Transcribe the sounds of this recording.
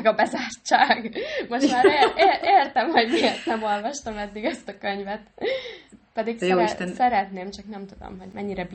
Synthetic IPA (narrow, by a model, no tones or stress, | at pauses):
ɡɒbɛzaːrt͡ʃːaːɡmo̞ʃmaːɾeeːeːrt̪ɛmho̞ɟmiert̪nɛmo̞lvɒʃt̪ɒmɛd̪ːiɡɛst̪ɒkø̞ɲvɛt̪ | pɛd̪iksjɛoːiʃt̪ɛnsɛɾɛt̪neːmt͡ʃɒknɛmt̪ud̪o̰mɦo̞ɟmɛɲːiɾɛb